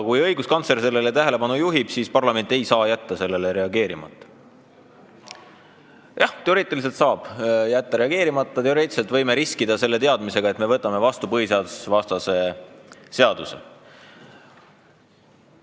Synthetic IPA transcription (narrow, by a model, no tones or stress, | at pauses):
kujɤ̞jɡ̥uskɑnt̪se̞ɾs̬e̞lːelet̪æɦele̞pɑnujuɦib̥siːspɑrlɑme̞nʲt̪ːˑe̞jsɑːjæt̪ːɑse̞lːe̞leɾe̞ɑɡe̞ːɾimɑ̰t̪ːˑɑ̥ | jɑht̪e̞o̞ɾeːt̪ːˑilis̬elt̪sɑːb̥jæt̪ːɑɾe̞ɑɡ̥e̞ːɾimɑt̪ˑːɑt̪eoɾeːt̪selt̪vɤjmeɾiskid̪ɑse̞lːe̞t̪eɑd̪mise̞ɡ̥ɑe̞t̪me̞vɤt̪ːˑɑme̞vɑst̪upɤɦiseɑd̪ussvɑst̪ɑse̞se̞ɑd̪̥usḛ